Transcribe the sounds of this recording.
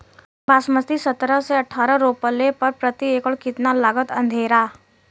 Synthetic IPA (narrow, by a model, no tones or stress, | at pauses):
basməst̪isət̪ɾəseəʈʰaːɾəɾoːpəlepəɾpɾət̪iekəɭkɪt̪nalaːɡət̪ə̃nd̪ʱeːɾa